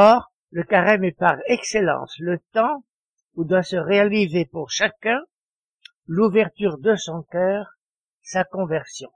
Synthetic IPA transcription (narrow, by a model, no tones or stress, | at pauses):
ɔʁ | ləkaʁɛmɛpaʁɛkselɑ̰̃slət̪ɑ̃ | ud̪wasəʁealizepuʁʃakɛ̃ | luvɛʁt̪yʁd̪əsɔ̃kœːʁ | sakɔ̃vɛʁsjɔ̰̃